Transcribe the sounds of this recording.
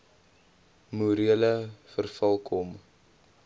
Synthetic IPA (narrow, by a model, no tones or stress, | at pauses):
muɾiələfərfɐlˠkʰɔm